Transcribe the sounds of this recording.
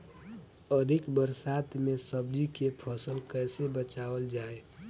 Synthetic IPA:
əd̪ʱɪkbəɾsaːt̪mẽsəb̚d͡ʒikepʰəsəlkɛːsebət͡ʃaːwəld͡ʒaːe

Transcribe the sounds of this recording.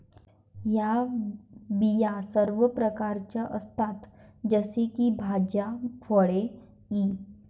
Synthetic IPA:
ja | bijasəɾʋəpɾəkaːɾt͡ʃaʔəst̪ʰaːt̪d͡ʒəsekibʱaːd͡ʒjafʰɔɽe | iː

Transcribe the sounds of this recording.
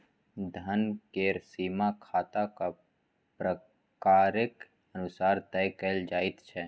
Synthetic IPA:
d̪ʱənkeːɾsiːmakʰaːt̪aka | pɾə | kaːɾɪk | ɐnʊsaːɾt̪ɛjkɛld͡ʒaːɪt̪t͡ʃʰɛː

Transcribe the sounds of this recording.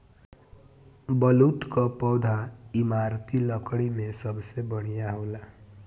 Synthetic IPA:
bʌlut̪kɔpɔwd̪ʱaimaɾt̪ilʌkɽ̃imesʌbsebʌɽ̃ijaɦõwla

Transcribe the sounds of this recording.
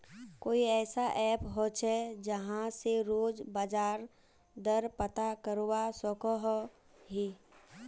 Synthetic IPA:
koːiɛːsaʔɛːpɦot͡ʃʰɛd͡ʒəɦãseɾoːd͡ʒbaːd͡ʒaːɾ | d̪əɾpət̪akəɾwasɔkɔɦ | ɦi

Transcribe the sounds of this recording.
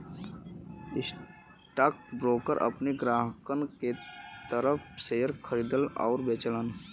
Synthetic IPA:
ɪs | ʈaːk̚bɾoːkəɾʔə̰pneɡɾaːɦkənket̪əɾəp̚ʰseəɾkʰəɾiːd̪əlɔ̰ːɾbeːt͡ʃələn

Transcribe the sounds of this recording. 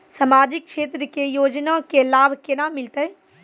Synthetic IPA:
səmaːd͡ʒɪk̚ːʃeːt̪ɾəkejoːd͡ʒnakelaːbʱkenamɪlt̪ə

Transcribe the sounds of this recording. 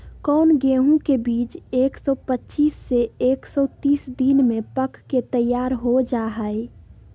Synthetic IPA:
kɔːnɡeːɦũkebiːt͡ʃeːksɔpətːt͡ʃiːsːeeːksɔt̪iːsd̪inmẽpəkʰket̪əjaːɾɦod͡ʒaɦəe

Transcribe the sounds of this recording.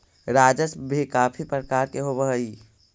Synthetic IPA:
ɾaːd͡ʒəsbʱikaːpʰipɾəkaːɾkeɦobəɦəi

